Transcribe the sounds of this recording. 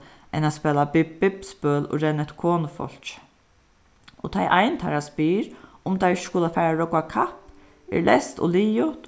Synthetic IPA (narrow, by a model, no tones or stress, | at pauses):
ʔɛ̰naspɛːlabɪɪpspœːlʊ̰ɾɛnɛht̪kʰoːnʊfɔ̰l̥t͡ʃ | ɔt̪ʰajʔajnt̪ʰa̰ɾaspiːɾʊmt̪ʰajskʊlafɛːɾaɹɔkakʰap | ɛ̰ɹlɛst̪ɔ̰liːjʊt̪